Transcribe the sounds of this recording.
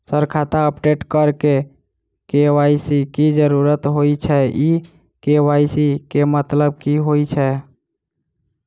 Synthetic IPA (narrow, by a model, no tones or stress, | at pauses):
səɾkʰat̪aəpɖeʈkəɾke | kewaisikid͡ʒəɾuɾət̪ɦojt͡ʃʰɛi | kewajsikemət̪ləb̚kiɦojt͡ʃʰɛ